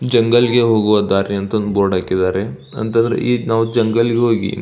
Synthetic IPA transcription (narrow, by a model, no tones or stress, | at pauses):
d͡ʒɐŋɡɐlɡeɦoːɡuʋad̪aːɾiɐnt̪ɐnd̪uboːɽaːkid̪aːɾe | ɐ̰nt̪ɐnd̪ɐɾḛʔiːnaːʋud͡ʒɐŋɡɐlɡeɦoːɡḭ